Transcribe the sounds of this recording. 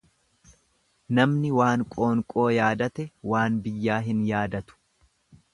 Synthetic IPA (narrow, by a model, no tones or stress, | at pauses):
nɐmnɪwaːŋkʼo̞ːŋkʼo̞ːjaːd̪ɐt̪ɛwaːnbɪjːaːɦɪnjaːd̪ɐt̪ʊ̥